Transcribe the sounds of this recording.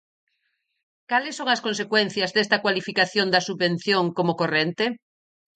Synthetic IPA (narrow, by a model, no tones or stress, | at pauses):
kalɪsːõŋɐskõnsekwen̟θjɐzðest̪ɐkwalifikaθjõnd̪ɐsuββẽn̟θjoŋkomokorent̪e